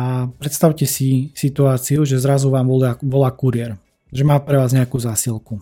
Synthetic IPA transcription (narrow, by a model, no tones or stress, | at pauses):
apɾɛt̪st̪aʊcɛsisit̪uaːt͡siuʒɛzɾazuʋaːmɔlaʋɔlaːkuɾɪɛɾ | ʒɛmaːpɾɛʋaːzɲɛakuːzaːsilku